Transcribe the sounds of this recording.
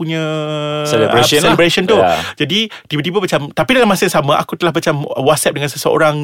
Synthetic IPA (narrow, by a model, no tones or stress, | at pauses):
puɲãseliɾeslibɾesɔnt̪ud͡ʒadit̪ibat̪ibabat͡ʃamt̪apidalamːãsajãsamãʔa̰kut̪əlahbat͡ʃamwat̪̚sɛp̚dəŋãnsəsəo̰ɾaŋ